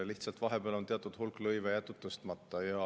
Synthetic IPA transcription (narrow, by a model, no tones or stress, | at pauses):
liht̪sɑlt̪vɑɦe̞b̥eɑlo̞nt̪eɑt̪ːˑud̪̥hulklɤjvejæt̪ːˑut̪ːˑust̪mɑt̪ˑːɑiɑ